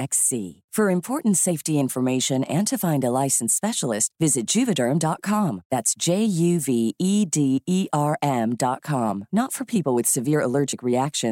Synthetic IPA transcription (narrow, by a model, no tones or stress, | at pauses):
ɛksḭfə˞ɨ̃mpʰɔɹʔn̩tseɪftiɪ̃ɱfə˞meɪʃɨ̃nɨ̃ntʰɨfãɪ̃ndəlaɪsn̩spɛʃl̩ˠɪst̚vɪzɨt̚d̥ʒ̥ʉvɨdə̃˞mdɑt̚kʰɑ̃mðætsd̥ʒ̥eɪjʉviidiiʔɑɹʔɛ̃mdɑt̚kʰɑ̃mnətfə˞pʰipl̩ˠwɨð̥sɨvɪɹəlɜ˞d͡ʒɨkɹiækʃɨ̃n